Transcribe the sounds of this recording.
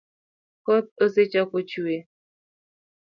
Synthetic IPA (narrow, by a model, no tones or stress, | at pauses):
kɔt̪̚əset͡ʃakot͡ʃue